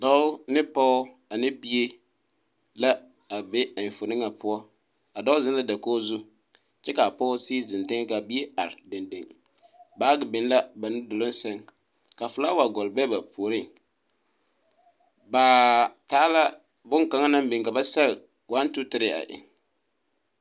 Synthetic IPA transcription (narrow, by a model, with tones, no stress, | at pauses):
dɔ˦ʊ˦nɪ˦pɔ˦ | a˨nɪ˦bi˦e˦ | la˦ | a˨bɛ˦a˨n˨fo˨nɪ˦ŋa˨pʊ˦ɔ˦ | a˨dɔ˦ʊ˦zɪ˦la˦da˨koː˦zu˦ | t͡ʃɛ˦ka˨pɔ˦siː˦˨zɪ˨n˨dɪ˦ŋ˦ka˨bi˦e˦a̰˨ɾɪ˨de˨nde˨ŋ | baː˨˦ɡɪ˨bɪ˨n˦la˦ba˨nɪ˦dʊ˨lʊ˦n˦sɛ˦ŋ | ka˨fʊ˨la˦wa˨ɡɔ˨lbɛ˦ba˨poː˨ɾɪ˦˨ŋ | baː˨taː˦la˦ | bʊ˦ŋka˨ŋa˦na˦mbɪ˨ŋka˨ba˦sa˦l | wa˦n˦tʊ˦tɪ˦ɾɪ˦a̰˨ʔɪ̰˨ŋ